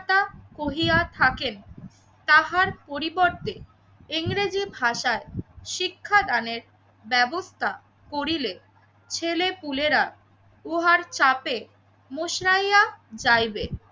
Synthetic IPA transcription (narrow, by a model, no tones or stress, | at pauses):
at̪akoɦijat̪ʰaken | t̪aɦaɾpoɾiboɾt̪e | iŋɾed͡ʑibʱaʃaeʃikʰːad̪aneɾ | bɛbost̪ʰa | koɾile | t͡ɕʰelepuleɾa | uɦaɾt͡ɕape | moʃɾajad͡ʑajbe